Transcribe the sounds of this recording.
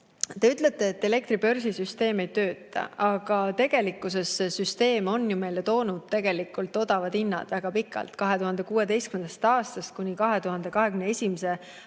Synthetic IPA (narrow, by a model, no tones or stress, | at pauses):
t̪e̞yt̪ˑlet̪ːˑe̞ːt̪ːe̞le̞k̚t̪ɾipø̞rsisyst̪e̞ːmejt̪ø̞ːt̪ːˑɑ̰ɑɡ̥ɑt̪e̞ɡ̥e̞likːˑuse̞sesyst̪e̞ːmo̞njume̞jle̞t̪o̞ːnud̪̥̚t̪e̞ɡ̥e̞likːˑult̪ːˑo̞d̪̥ɑvɑd̪̥inːɑ̰d̪̥væɡ̥ɑpikːˑɑ̰lt̪kɑɦe̞t̪uhɑnd̪̥e̞kuːe̞t̪e̞jstkymend̪̥ɑ̥st̪ɑːst̪ɑst̪̚kunʲikɑɦe̞t̪uɦɑnd̪̥e̞kɑɦe̞kɡymnee̞sʲimese̞